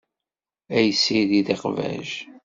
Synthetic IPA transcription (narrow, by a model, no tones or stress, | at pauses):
æjəsːiðiðeqvæ̰ʒ